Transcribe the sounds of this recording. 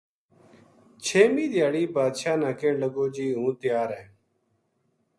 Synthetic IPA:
t͡ʃʰeːmĩːd̪ɪjaːɽiːbaːd̪ʃaːnãːkẽːləɡoːd͡ʒiːɦũːt̪ɪjaːɾɛ̃ː

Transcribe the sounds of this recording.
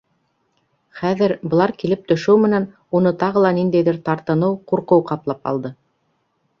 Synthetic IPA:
χæðɘɾbɤ̆lˠɑɾkilɘp̚t̪ɵ̆ʃɘwmɘ̆næn | unɤt̪ɑʁɤ̆lˠɑnind̪æjðɘɾt̪ɑɾt̪ɤ̆nɤwquɾqɤwqɑplˠɑpɑ̰lˠd̪ɤ

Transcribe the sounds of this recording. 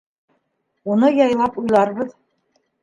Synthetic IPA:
unɤjɑjlˠɑpujlˠɑɾβɤð

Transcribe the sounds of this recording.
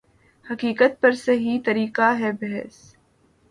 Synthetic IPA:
hɐkiːkət̪̚pɐɾsɐɦit̪ɐɾiːqaɦɛːbɛɦɛs

